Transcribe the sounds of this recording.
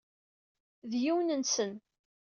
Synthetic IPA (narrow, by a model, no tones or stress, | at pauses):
ðjiwnənsən